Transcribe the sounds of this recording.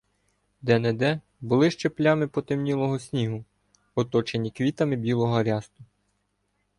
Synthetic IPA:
d̪ɛnɛd̪ɛ | bʊlˠɪʃt͡ʃeplʲamɪpɔt̪emnʲilˠɔɦɔsʲnʲiɦʊ | ɔt̪ɔt͡ʃenʲikʋʲit̪ɐmɪbʲilˠɔɦɔɐɾʲɑst̪ʊ

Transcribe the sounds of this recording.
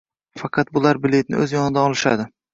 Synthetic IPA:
fɑqʰɑt̪̚bʊlaɾbɪle̞t̪̚nɪ̰ʔɵzjɒnɪd̪aɒlˠɪʃa̰d̪ɪ

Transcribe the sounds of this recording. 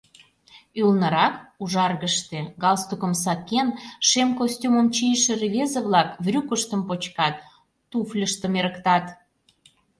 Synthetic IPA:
ylnəɾɑkuʒɑrɣəʃt̪eɣɑlst̪ukə̆msɑkenʃemkosʲtʲuməmt͡ɕijəʃĕrevʲezəβlɑkvrʲukəʃt̪əmpot͡ɕkɑt̪ː | uflʲəʃt̪əmeɾəkt̪ɑt̪

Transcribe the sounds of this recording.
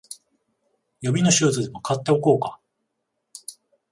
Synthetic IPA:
jo̞bʲino̞ɕɨːt͡sɨd̪e̞mo̞kʰat̪ːeo̞ko̞ːka

